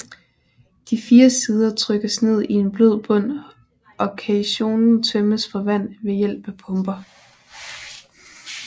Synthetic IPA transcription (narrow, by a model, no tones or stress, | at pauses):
d̥ifiːɐsiːð̞ˠɐt͡sʰʁœɡ̥əsne̝ð̞̰ˠie̝nb̥løð̰ˠb̥ɔ̽n̰ | ʔɒ̽kʰæɕo̝̰ːnn̩t͡sʰøməsfɒ̽ʋæn̰ʋe̝jel̰b̥æpʰɔ̽mb̥ɐ